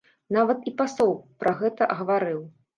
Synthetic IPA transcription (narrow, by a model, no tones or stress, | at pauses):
navɐt̪ipasɔwpɾʔɐɣɛt̪ɐʔɐɣɐvaɾɨw